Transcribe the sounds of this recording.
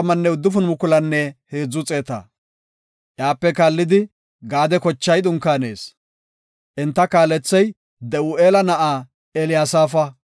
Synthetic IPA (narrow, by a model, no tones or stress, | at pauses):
ɐmɐnːɛʊd̪ːʊfʊnmʊkʊlɐnːɛhe̞ːd͡zːʊt͡sʼe̞ːt̪ɐ̰ | ʔjaːpːɛkaːlːɪd̪ɪ | ɡaːd̪ɛkɔt͡ʃːɐjd̪ʊŋkːaːne̞̰ːs | ʔɛnt̪ːɐkaːlːɛt͡sːɐj | d̪ɛuʔeːlɐnɐʔaː | ɛlɪjaːsaːfɐ